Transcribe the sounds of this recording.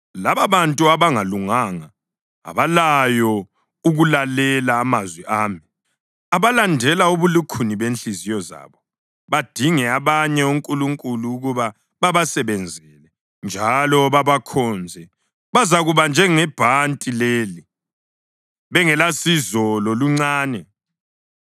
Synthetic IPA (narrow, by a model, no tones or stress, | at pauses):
laβaβantʼuaβaŋaluŋaːŋa | a̰βalajɔ | uɣulalɛlaːmazwiʔaːmi | aβalandʱɛlauβulukʰuniβenɬizijɔza̰βɔ | βad̥ʱiŋɛaβaɲɛuŋkʼuluŋkʼuluːɣuβa | βaβasɛβɛnd͡zʱɛlɛ | nd͡ʒʱalɔβaβakʰɔnd͡zʱɛ | βazaɣuβand͡ʒʱɛŋɛb̥ʱantʼileːli | βɛŋɛlasizɔlɔluŋ͡ǀaːnɛ